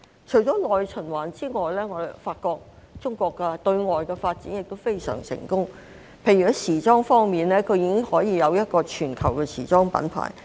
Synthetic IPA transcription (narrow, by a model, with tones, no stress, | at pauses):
t͡ʃʰɵ˨˩jt͡ʃɔː˨˥lɔː˨jt͡ʃʰɵ˨˩nwaː˨˩nt͡siː˥ŋɔː˨jlɛː˥ŋɔː˨˧˨faː˧t̚kɔː˧k̚t͡sʊ˥ŋkʷɔː˧kːɛ˧t̪ɵ˧ɥŋɔː˨jkɛː˧faː˧t̚t͡siː˨˥njɪ˨k̚t̪o˥wfe˥jsœ̰ː˨˩ŋsɪ̰˨˩ŋkʊ˥ŋ | pʰe˨˧jɥyː˨˩siː˨˩t͡sɔː˥ŋfɔː˥ŋmiː˨nlɛː˥kʰɵ˨˧ɥjiː˨˧kɪ˥ŋhɔː˨˥jiː˨˧jɐ˨˧wjɐ˥t̚kɔː˧t͡ʃʰyː˨˩nkʰɐ˨˩wkɛː˧sʰḭː˨˩t͡sɔː˥ŋpɐ̰˨˥npʰa̰ː˨˩j